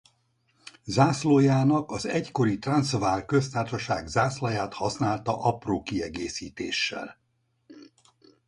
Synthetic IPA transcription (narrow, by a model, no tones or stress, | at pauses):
zaːsloːjaːnɒkɒzɛcko̞ɾit̪rɒnsvaːrkø̞st̪aːrʃɒʃaːɡzaːslɒjaːt̪hɒsnaːlt̪ɒʔɒproːkiɛɡeːsiːt̪ḛːʃːɛ̰l